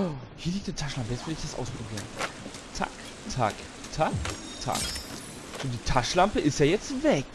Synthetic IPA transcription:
hiːɐliːk̚td̥iːtʰaʃlampəjɛsv̥ɪləɪçd̥asʔa̰ʊspʁ̥obiːʁən | t͡sa̰k | tʰa̰k | tʰak | tʰa̰k | z̥oːdiːtʰaʃlampəʔɪstjaːjɛt͡stvɛk

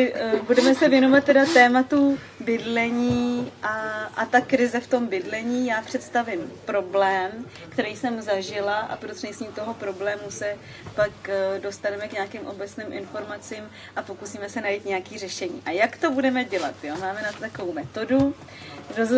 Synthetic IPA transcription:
ɪbudɛmɛsɛvjɛno̞vat̪ːɛdat̪ːɛːmat̪u | bɪdlɛɲiːʔaʔat̪akɾɪzɛft̪o̞mbɪdlɛɲiːjaːpr̝̥ɛt̪st̪avɪmpɾo̞blɛːm | kt̪ɛɾijsɛmzaʒɪlaʔa̰pɾot̪rɛɲsɲiːmt̪o̞ɦo̞pɾo̞blɛːmusɛ | pakdo̞st̪anɛmɛkɲaakɪmʔo̞bɛt͡snɪːmʔɪ̰nfo̞ɾmat͡siːm | ʔapo̞kusiːmɛsɛnajiːt̪ɲɛjakiːr̝ɛʃɛɲḭːʔajakt̪o̞budɛmɛɟɛlat̪jo̞maːmɛnat̪ot̪akovowmɛt̪o̞du | ɾoz

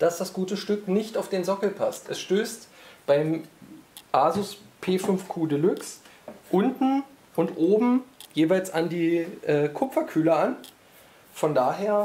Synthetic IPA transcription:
d̥asd̥asɡ̥uːtəʃtʏknɪçtaʊfd̥eːnzɔkl̩pʰastɛsʃtøːstb̥aɪm | ʔaːzʊspʰeːfʏnfkʰuːdəlʏks | ʔʊntn̩ | ʊntʔoːbm̩jeːvaɪlsandiːʔɛːkʰʊpp͡fɐkʰyːləan | fɔndaːɦeːɐ

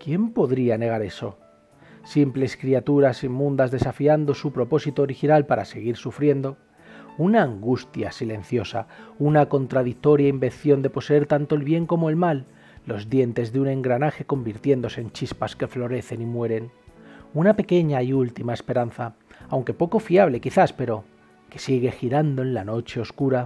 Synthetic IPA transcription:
kje̞mpo̞ðɾiane̞ɣ̞aɾe̞so̞̰ | simple̞skɾiat̪uɾasimːũnd̪azðe̞safiand̪o̞supɾo̞po̞sit̪o̞ːɾixinalpaɾa̰se̞ɣ̞iɾsufɾje̞nd̪o̞ | unaːŋɡust̪ja̰sile̞n̟θjo̞sa̰unako̞nt̪ɾaðik̚t̪o̞ɾjaimbe̞n̟θjo̞nd̪e̞po̞se̞eɾt̪ant̪o̞elβje̞ŋko̞moe̞lmalː | o̞zðje̞nt̪e̞zðeune̞ŋɡɾanaxe̞ko̞mbiɾt̪je̞nd̪ose̞ːnt͡ʃispaske̞flo̞ɾe̞θe̞nimwe̞ɾe̞nunape̞ke̞ɲaiult̪imae̞spe̞ɾanθa | awŋke̞po̞ko̞fiaβ̞le̞kiθaspe̞ɾo̞ | ke̞̥siɣ̞e̞xiɾand̪oe̞nlano̞t͡ʃe̞o̞skuɾa

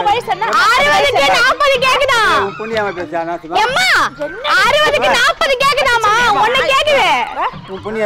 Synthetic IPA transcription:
aːɾɯʋɐðɯkːɯnaːpːɐðɯk̬eːk̬ːɯðãːpun | ɛmːaːaɾɯʋɐðɯkːɯnaːpːɐðɯkeːkːɯðãːmaːɔnːɐkeːkːɯðe | pn

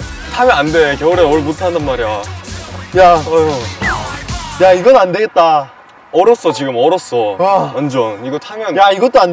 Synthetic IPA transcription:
tʰamjʌandekjʌɯɾenwʌɭmutʰandanmaɾeja | ja | jaiɡʌnande̞ɡe̞t̚t͈a | ʌɾʌs͈ʌt͡ɕiɡɯmʌɾʌs͈ʌaʌnd͡ʑʌniɡotʰamjʌnjaiɡʌt͈oand

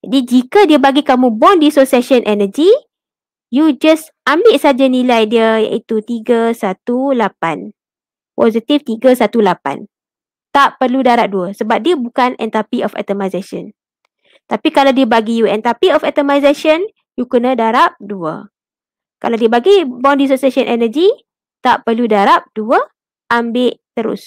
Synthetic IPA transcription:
d͡ʒadid͡ʒikədiəbaɡikamũbɔndisosɛʃɔnʔɛnəd͡ʒi | jud͡ʒas | ambɪʔsad͡ʒanĩlajdiəja̰ʔit̪ut̪iɡəsat̪ulapan | pɔzit̪ift̪iɡəsat̪ulapa̰n | t̪aʔpərludaɾap̚duəsəbap̚diəbukanɛ̰nt̪apiʔɔfɛ̰t̪əmajsasɔ̰n | t̪apikalawdiəbaɡijuɛnt̪apiɔfɛt̪əmajzaʃən | jukənə̃daɾap̚duə̰ | ka̰lawdiəbaɡibɔndis̬osiasənʔɛnəd͡ʒi | t̪aʔpərludaɾap̚d̥uə | ʔambɪʔt̪əɾʊ̰s

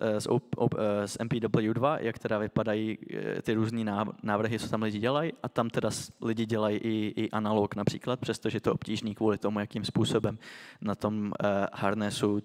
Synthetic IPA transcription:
sʔo̰osʔɛ̰mpiːdobl̩judvajʔakt̪ɛdavɪpadajiːt̪ɪɾuːzɲiːnanaːvr̩ɦɪt͡sot̪amlɪɟɪɟɛlajʔat̪amt̪ɛdaslɪɟɪɟɛlajiʔɪʔɪʔanalo̞knapr̥iːklat̪̚pr̥ɛst̪oʒɛjɛt̪oo̞pciːʒniːkvuːlɪt̪o̞mujakiːmspuːso̞bɛmnat̪o̞mhaɾnɛsu

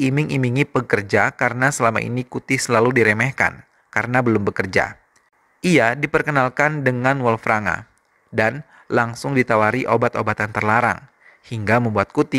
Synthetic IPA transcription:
imɪŋʔimiŋipəkərd͡ʒakaɾənasəlama̰ḭnikut̪isəlaludiɾemɛhka̰n | kaɾənabəlʊmbəkərd͡ʒa̰ | iadipərkənalkandəŋanwɔlfɾaŋa̰ | dan | laŋsʊŋdit̪awaɾiʔobat̪obat̪ant̪ərlaɾa̰ŋ | hiŋɡaməmbuat̪̚kut̪i

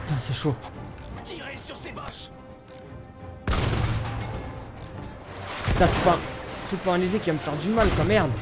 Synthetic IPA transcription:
t̪ãsɛʃot̪iʁesyʁsebɔʃ | t̪aspãt̪ut̪̚pɑ̃ɛ̃lizekʲiamfɛʁd̪ymalkɔmɛʁl

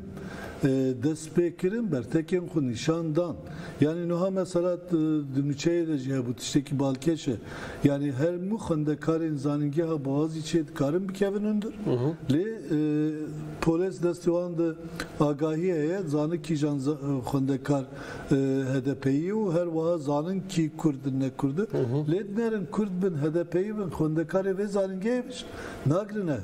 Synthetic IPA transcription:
d̪ɛst̪peːkɨɾɨnbɛɾt̪ʰɛkenxʷuniʃɑːnd̪ɑːn | jɑːninɨɦɑːmɛsɛlɑːd̪ɨnut͡ʃʰɛjed̪ɛʒihɛbut̪ʰɨ̥ʃt̪ɛkibɑːlkʲʰɛʃɛ | jaːniɦɛɾmuxɛnd̪ɛkʰɑːɾenzɑːniŋɡʲɛɦɑːbɨɑːzit͡ʃʰeːd̪ɨkʰɑːɾɨnbɨkʲʰɛvɨnhund̪ɨɾleː | pʰoːlesd̪ɛst̪iwɑːnd̪ɨ | ɑːɡɑːɦiɛjɛzɑːnɨkʰiʒɑːnzxʷwɛnd̪ɛkʰɑːɾ | ɦɛd̪ɛpʰɛjijɛuɦɛɾwɑɦɑːzɑːnɨnkʰikʰʊɾd̪̚dɨnːɛkʰʊɾd̪ɨled̪ɨnɛɾɨnkʰʊɾd̪̚bɨnɦɛd̪ɛpʰɛjibɨnxʷɛnd̪ɛkʰɑːɾevezɑːnɨŋɡɛebɨʃ | nɑːɡɾɨnɛ

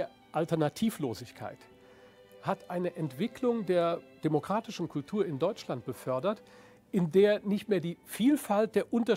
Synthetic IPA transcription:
ɐ | ʔaltɛɐnatʰiːfloːzɪçkʰa̰ɪt | hatʔaɪnəʔɛntv̥ɪkʰlʊŋdeːɐd̥emokʁ̥aːtɪʃn̩kʰʊltʰuːɐɪndɔʏt͡ʃlant̚b̥əfœɐdɐt | ʔɪndeːɐnɪçtmeːɐdiːfiːlfalt̚d̥eːɐʔʊntɐ

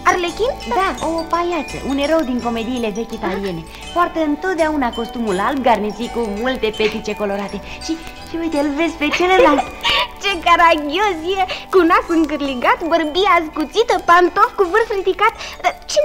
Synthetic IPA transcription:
arlekʲind̪aopajat͡ʃ̪ə̰ʔune̞ɾəwd̪iŋko̞me̞d̪iːle̞ve̞kʲit̪alie̞ne̞ | foart̪əɨnt̪o̞t̪d̪eaunako̞st̪umulalb̚ɡarnit̪sijkumult̪e̞pet̪it͡ʃe̞ko̞lo̞ɾat̪e̞ | ʃi | t͡ʃeujt̪elve̞zpet͡ʃelelalt̪t͡ʃekaɾaɡʲjosjekunasɨŋkɨrliɡat̪bərbiaskut̪sit̪əpant̪ofkuvɨrsrid̪ikat̪d̪at͡ʃe

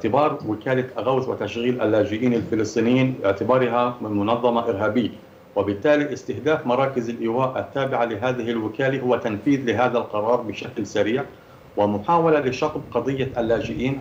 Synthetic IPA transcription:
ʕt̪ɪbɑːɾˤwɪkaːlaʔaɣawθwɪt̪aʃɣiːlʔa̰lːaːd͡ʒɪʔiːnalfɪlɨsˤt̪ˤiːnɪjːiːnɪ̰ʕt̪ɪbɑːɾˤɦamɪmʊnɑðˤːɑmaʔɪɾɦaːbɪjːa | wɪbɪt̪ːaːliʔɪst̪ɪhd̪aːfmɑɾˤɑːkɪzɪlʔɪwaːʔat̪ːaːbɪʕalɪɦaːðɪɦɪlwɪkaːlihʊwat̪anfiːðlɪɦaːðalqɑɾˤɑːɾˤbɪʃaklsaɾiːʕ | wɪmʊħaːwalalɪʃɑt̪ˤb̚qɑd̪ˤɨjːaʔalːaːd͡ʒɪʔiːn

